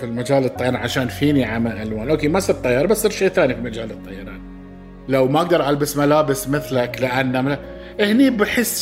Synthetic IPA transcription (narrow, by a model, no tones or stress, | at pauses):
filmad͡ʒaːlɨt̪ˤːɑjːɑˤɾɑʕaʃaːnfiːniʕamaʔalwaːnʔoːkeːmasˤiɾt̪ˤɑjːɑːɾˤbasːˤiːɾʃejːθaːnifilmad͡ʒaːlɨt̪ˤːɑjːɑɾˤɑ̰ːn | lawmaʔaɡ̚d̪ɑɾˤʔalbasmalaːbɪsmɪθlaklɪʔanːam | ʔɪhnibaħɪsː